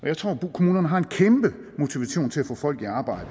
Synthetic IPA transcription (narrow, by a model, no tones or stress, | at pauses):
ʔɒ̽jɑɪt͡sʰʁo̝̰ːkʰo̝muːnɐnəɦɑ̈e̝nkʰemb̥ə | mo̝t͡sʰiʋæɕo̰ːnt͡sʰe̝æfɔ̰̽ːfɒ̽l̰ɡ̥iɑ̈ːb̥ɑ̈ɪ̰d̥ə